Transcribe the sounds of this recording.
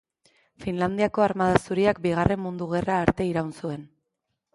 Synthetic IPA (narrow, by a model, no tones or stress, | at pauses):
finland̪iako̞aɾmað̞asuɾiak̚biɣ̞are̞mmund̪uɣe̞raːɾt̪e̞iɾawnsue̞n